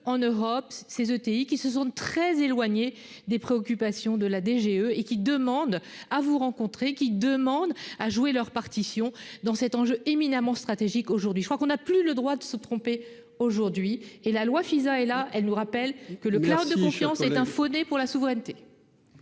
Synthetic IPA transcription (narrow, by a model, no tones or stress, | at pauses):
ɑ̃nøʁɔpsezøt̪eikʲisəs̬ɑ̃t̪χɛzelwaɲe | d̪epχeɔkʲypasjɔ̃d̪əlad̪eʒeøekʲid̪əmɑ̃d̪avuʁɑ̃kɔ̃t̪χekʲid̪əmɑ̃d̪aʒuelœʁpaʁt̪isjɔ̃d̪ɑ̃sɛt̪ɑ̃ʒøʔeminamɑ̃st̪χat̪eʒikoʒuʁd̪ɥiʒəkχwakɔ̃naplyləd̪ʁwad̪əsət̪χɔ̃pe | oʒuʁd̪ɥielalwafizaɛlaɛlnuʁapɛlkələklawd̪ːəkkɔ̃fjɑ̃sɛɛ̃fonepuʁlasuvʁɛnt̪e